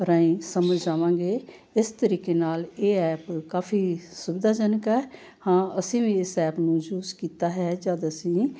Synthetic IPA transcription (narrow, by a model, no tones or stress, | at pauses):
ɾaːĩːsəməd͡ʒd͡ʒaːʋãːŋɡeː | ɪst̪əɾiːkeːnaːleːɛːpkaːfʰiːsʊbɪd̪aːd͡ʒənəkɦɛː | hãːəsĩːʋĩːɪsɛːpnũːd͡ʒuːskiːt̪aːɦɛːd͡ʒaːd̪əsĩː